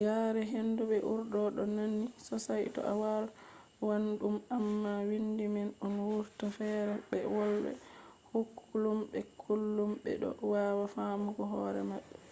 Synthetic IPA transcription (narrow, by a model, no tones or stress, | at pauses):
ɡaɾɛɦenduɓɛʔuɾdɔɗɔnanːisɔsajtɔ̰ʔawal | wandumamːawindimɛnɔnwuɾtafɛɾɛɓɛwɔlbɛ̰hukʰːulumbɛkʰulːumɓɛ̰ɗɔ̰wawafamuɡɔɦɔɾɛ̰maɓːɛ